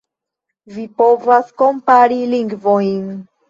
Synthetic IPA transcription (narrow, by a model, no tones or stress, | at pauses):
vipovasko̞mpaɾiliŋɡvojn